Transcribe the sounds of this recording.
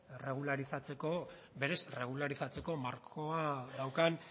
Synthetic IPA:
re̞ɣ̞ulaɾisat͡se̞ko | be̞ɾe̞sre̞ɣ̞ulaɾisat͡se̞ko̞maɾkʰo̞aðawkan

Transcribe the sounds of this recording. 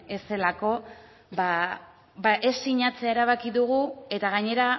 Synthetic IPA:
e̞se̞lako̞ | ba | baʔe̞siɲat͡se̞aeɾaβ̞akiðuɣ̞ue̞t̪aɣaɲe̞ɾa

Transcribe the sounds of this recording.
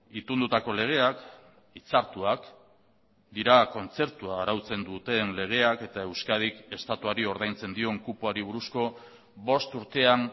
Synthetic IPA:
it̪und̪ut̪ako̞le̞ɣ̞e̞ak | it͡saɾt̪uak | d̪iɾako̞nt͡se̞ɾt̪uaːɾawt͡se̞nd̪ut̪e̞nle̞ɣ̞e̞ake̞t̪ae̞wskað̞ike̞st̪at̪uaɾio̞ɾðajnt͡se̞nd̪io̞ŋkupuaɾiβ̞uɾusko̞ | bo̞st̪uɾt̪e̞an

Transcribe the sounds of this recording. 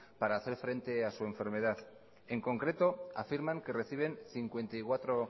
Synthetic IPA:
paɾaːθe̞ɾfɾe̞nt̪e̞asue̞ɱfe̞ɾme̞ð̞að | e̞ŋko̞ŋkɾe̞t̪o̞a̰fiɾmaŋke̞re̞θiβ̞e̞nθiŋkwe̞nt̪ajkwat̪ɾo̞

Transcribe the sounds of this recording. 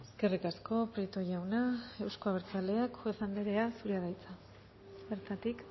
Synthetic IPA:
eske̞rikasko̞pɾit̪o̞ʝawnae̞wsko̞aβ̞eɾt͡sale̞akxoesand̪eɾe̞asuɾeaðajt͡sa | βe̞ɾt̪at̪ik

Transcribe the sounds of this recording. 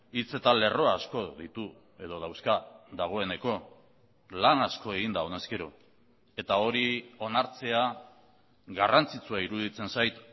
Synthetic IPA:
it͡se̞t̪ale̞ro̞aːsko̞ðit̪u | e̞ð̞o̞ð̞awskaðaɣ̞o̞e̞ne̞ko̞ | lanasko̞e̞ɣind̪aone̞ske̞ɾo | e̞t̪ao̞ɾio̞naɾt͡se̞a | ɡarant͡sit͡suaiɾuðit͡se̞nsajt̪

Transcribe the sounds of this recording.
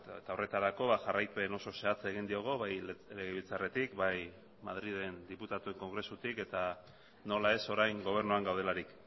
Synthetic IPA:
et̪ao̞re̞t̪aɾako̞βaʝarajp̪ueno̞so̞se̞at͡seɣ̞ind̪ioɣ̞o̞βajleɣeβilt͡sare̞t̪ikbaj | mað̞ɾið̞e̞nd̪iput̪at̪ue̞ŋko̞ŋɡɾe̞sut̪ike̞t̪a | no̞lae̞so̞ɾajŋɡo̞β̞e̞ɾnuaŋɡawð̞e̞laɾik

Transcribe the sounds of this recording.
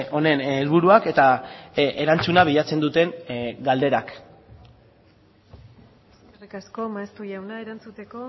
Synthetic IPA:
o̞ne̞nelβuɾuake̞t̪aʔeɾant͡sunaβiʎat͡se̞nd̪ut̪e̞ŋɡald̪e̞ɾak | rikasko̞maest̪ujawnaeɾant͡sut̪e̞ko̞

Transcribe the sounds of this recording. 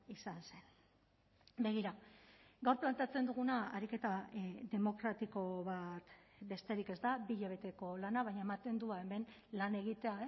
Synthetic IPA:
isanse̞n | be̞ɣ̞iɾaɡawɾplant̪e̞at͡se̞nd̪uɣ̞unaaɾike̞t̪aðe̞mo̞kɾat̪iko̞βat̪ | be̞st̪e̞ɾike̞zd̪abiʎeβ̞e̞t̪e̞ko̞lanaβajɲaemat̪e̞nd̪uae̞me̞nlane̞ɣ̞it̪e̞ae

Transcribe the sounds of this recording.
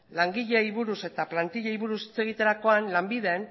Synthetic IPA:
laŋɡiʎe̞iβuɾuse̞t̪aplant̪iʎeiβuɾusi̥t͡se̞ɣ̞it̪e̞ɾako̞anlambið̞e̞ːn

